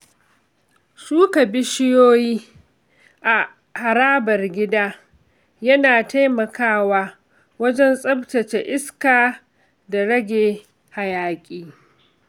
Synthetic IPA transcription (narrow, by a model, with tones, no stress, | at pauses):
ʃuː˦kɐ˨bɪ˦ʃɪ˦joː˦jiː˦ | ʔa˨ | ha˨ɾaː˦bɐ˨rɡʲɪ˦daː˦ | jɐ˦naː˨ta˦jmɐ˨kaː˦waː˦ | wɐ˦d͡ʒɛ˦nsʼɐ˦btɐ˨t͡ʃe˨ʔɪ˦skaː˨ | da˨ɽɐ˦ɡʲeː˨ | ha˨jaː˦kʲʼiː˦